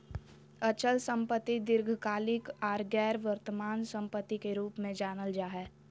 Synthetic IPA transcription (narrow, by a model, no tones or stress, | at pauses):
ət͡ʃəlsə̃mpət̪ːid̪ɪɾɡʱkaːlɪkɔːɾɡɛːɾʋəɾt̪əmaːnsə̃mpət̪ːikeɾuːpmẽd͡ʒaːnəld͡ʒaːɦɛː